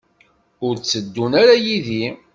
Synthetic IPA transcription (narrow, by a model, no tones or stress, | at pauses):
ʊɾt͡sːəd̪ːunaɾajiði